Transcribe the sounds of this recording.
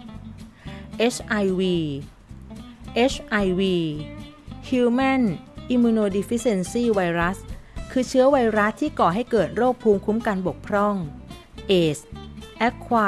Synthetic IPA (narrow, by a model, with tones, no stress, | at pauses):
ʔe˦˥t͡ɕʰʔa˧jwiː˧ | ʔe˦˥t͡ɕʰʔa˧jwiː˧ | hʰjuː˧ma˥˩nʔi˧mːuː˧noː˧di˧˥fi˦˥se˧nsiː˥˩wa˧jɾa˦˥skʰɯː˧t͡ɕʰɯ˦˥ɐwa˧jɾa˦˥t̪ʰːiː˥˩kɔː˨˩ɦa˥˩jkɤː˨˩t̪̚ɾoː˥˩k̚pʰuː˧mkʰu˦˥mkaː˧nbo˨˩k̚pʰɾɔ˥˩ŋ | ʔeː˨˩sʔɛ˦˥kʰːwaː˧